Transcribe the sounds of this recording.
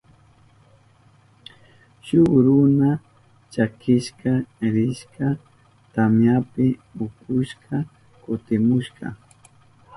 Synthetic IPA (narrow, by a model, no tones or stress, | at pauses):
ʃʊɾʊna | t͡ʃakɪʃkaɾɪʃka | t̪amjapɪʊkʊʃka | kʊt̪ɪmʊʃkɑ̰